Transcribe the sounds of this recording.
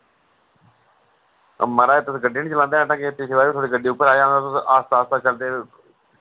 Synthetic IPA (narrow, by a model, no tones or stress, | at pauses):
məɾaːeːt̪əsɡəɖeːnĩːt͡ʃəlãːnd̪eːnãːt̪ãːket̪ɪseːbaɾiːt̪ʰoːɽiːɡəɖiːʊpːəɾaːeãːnd̪aːt̪ːʔaːst̪aːst̪aːt͡ʃəld̪eː